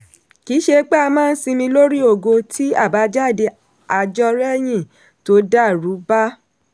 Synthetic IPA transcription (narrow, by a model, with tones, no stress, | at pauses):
ki˨˦ʃe˧k͡pe˦a˧mãː˦˨n̩˦si˧mĩ˧lo˦ɾi˦o˦˨ɡo˧tʰi˦a˦˨ba˨˦d͡ʒa˦˨de˧ | a˧d͡ʒɔ˧ɾɛ˦˨j̃ĩ˦˨ | to˨˦da˦˨ɾu˨˦ba˦